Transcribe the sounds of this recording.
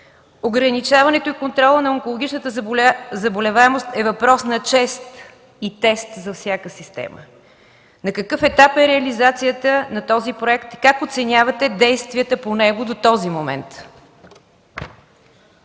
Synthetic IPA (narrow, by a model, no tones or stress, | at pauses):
oɡɾənit͡ʃavɐnɛt̪oikont̪ɾɔlˠənɐoŋkolˠoɡʲit͡ʃnət̪əzɐbolʲɛvaɛmost̪ɛvɐpɾɔsnɐt͡ʃɛst̪ | it̪ɛst̪zɐfsʲjakəsist̪ɛ̰mə̰ | nɐkəkɤfɛt̪apɛɾɛɐlizat̪sijət̪ənɐt̪ɔzipɾoɛkt̪kakot̪sɛnʲjavɐt̪ɛd̪ɛjst̪vʲiət̪əponɛɡod̪ot̪ɔzimomɛ̰nt̪